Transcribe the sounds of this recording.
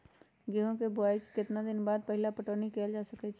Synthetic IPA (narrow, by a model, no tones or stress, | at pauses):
ɡeɦõkebʊaːikikɪt̪nad̪ɪnbaːd̪̚pəɦɪlapəʈoːnikeːld͡ʒaːsɐkɛt͡ʃʰ